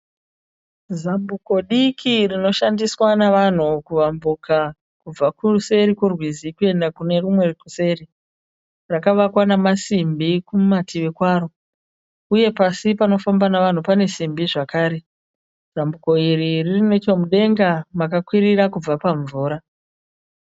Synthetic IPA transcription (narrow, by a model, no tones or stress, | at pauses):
zambuko̞ɗikʰirino̞ʃandiswanaʋan̤ukuʋambuka | kub͡vakuuse̞ɾikurwizikue̞ndakune̞rumwe̞rekuse̞ri | rakaʋakwanamasimbikumatiʋe̞kwaːɾo̞ | uje̞pasipano̞fambanaʋan̤upane̞simbiʐakaːɾe̞ | z̥ambuko̞iriririne̞t͡ʃo̞muɗe̞ŋɡamakakwiɾiɾakub͡vapaɱvuːɾa